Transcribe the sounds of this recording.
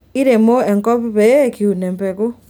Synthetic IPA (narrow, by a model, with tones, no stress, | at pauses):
i˦ɾe˨mo˦ɛ˨ŋkɔ˦pβɛ˦ki˨u˨nɛ˨mpɛ˨ko˦